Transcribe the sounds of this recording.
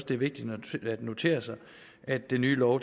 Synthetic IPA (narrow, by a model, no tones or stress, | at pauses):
sd̥e̝æɐʋe̝ɡ̥̚d̥id̥æd̥no̝t͡sʰe̝̰ːɐsɑ̈ɪ | ʔæd̥ːenːyːlɒʊd̥